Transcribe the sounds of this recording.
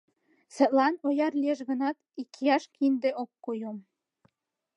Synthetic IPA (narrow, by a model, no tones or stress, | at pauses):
sə̆t̪lɑnojɑrlieʃɣə̆nɑt̪ikʰːijɑʃkʰind̪eʔokːojom